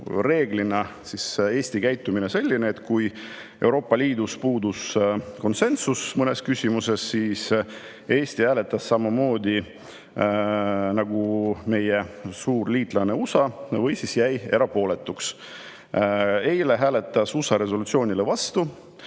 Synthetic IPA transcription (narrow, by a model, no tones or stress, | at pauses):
re̞ːɡlinɑsise̞ːsʲt̪ikæjt̪ːˑuminese̞lʲːineːt̪ːˑkuj | e̞wɾo̞ːpːˑɑlʲiːd̪uspuːd̪usko̞nse̞nsusmɤne̞skysʲimuse̞sːiːs | e̞ːst̪ihæːlet̪ːˑɑsːɑmɑmo̞ːd̪ʲi | nɑɡume̞jesuːrliːt̪ˑlɑne̞usɑvɤjsisjæje̞ɾɑpo̞ːle̞t̪ːˑuks | ejle̞ɦæːle̞t̪ˑːɑsusɑɾe̞s̬o̞lut̪sio̞ːnʲilevɑst̪u